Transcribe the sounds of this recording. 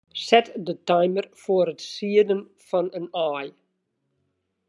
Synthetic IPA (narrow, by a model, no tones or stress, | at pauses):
sɛtdətajmərfoəɾətsiədən | fɔnənaːj